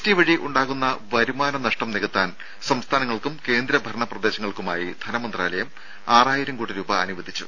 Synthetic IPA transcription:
tiʋɐɻiʔuɳɖaːɣunːɐʋɐɾumaːnɐnɐʂʈɐmneɣut̪ːaːn | sɐmst̪ʰaːnɐŋːɐɭkumke̞ːnd̪ɾɐbʱɐɾɐɳɐprɐd̪e̞ːɕɐŋːɐɭkumaːjid̪ʱɐnɐmɐnd̪raːlɐjɐm | aːraːjiɾɐmkuːɽiɾuːbɐːnuʋɐd̪ʱit͡ɕːṵ

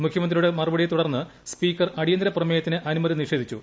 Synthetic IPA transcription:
mukʰjɐmɐnd̪rijuɽe̞mɐrɨbɐɽijet̪uɽɐrnːɨ | spiːkːɐrɐɽijɐnd̪ɾɐprɐmeːjɐt̪ːinɨʔɐnumɐðiniʂe̞ːd̪ʱit͡ɕːṵ

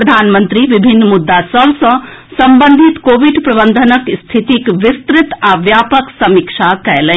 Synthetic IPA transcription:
ɾɐd̪ʱaːnmə̃nt̪ɾiʋibʱinːmud̪ːasɐbsɐ̃sɐmbə̃nd̪ʱit̪koːʋiɖpɾɐbənd̪ʱənəkst̪ʰit̪ikʋɪst̪ɾɪt̪aːʋjaːpəksɐmikʂakɛjlə

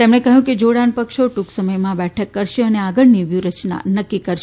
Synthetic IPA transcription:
t̪emɳekəɦjũked͡ʒoɽanpəkʃoʈuksəməjmãbɛʈʰəkːəɾʃeəneaɡəɭniʋjuɾət͡ʃna̰nəkːikəɾʃ

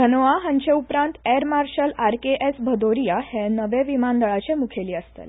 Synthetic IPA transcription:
ɡʱənʋaɦãɲt͡ɕeupɾãnt̪eɾmaɾɕəlaɾkeʔesbʱəd̪oɾijahẽnəʋẽʋimand̪əɭat͡ɕẽmukʰeliːəst̪ḛl

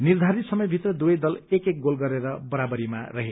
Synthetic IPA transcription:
nird̪ʱaɾit̪sʌmʌjbʱit̪rʌd̪ujʌjd̪ʌlekek̚ɡolɡʌɾeɾʌbʌɾabʌɾimarʌɦe

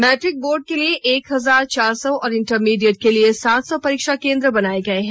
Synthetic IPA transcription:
mɛːʈɾɪk̚boːɾɖ̚kelieʔeːkɦɐzaːɾt͡ʃaːɾsɔɔːɾɪ̃ɳʈəɾmiːɖijəʈ̚keliesaːt̪sɔpɐɾiːkʃakẽːnd̪ɾəbɐnaːeɡɐeɦɛ̃ː

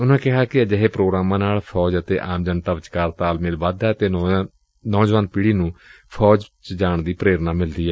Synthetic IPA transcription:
ʊnãːkɪɦaːkɪəd͡ʒəɦeːpɾoːɡɾaːmãːnaːlpʰɔːd͡ʒət̪ḛːʔaːmd͡ʒənt̪aːʋət͡ʃkaːɾt̪aːlmɪlʋaːd̪ɛːt̪eː | nɔːd͡ʒʋaːnpiːɽiːnũː | pʰɔːd͡ʒt͡ʃd͡ʒaːɳd̪iːpɾeːɾnaːmɪld̪iːɛː

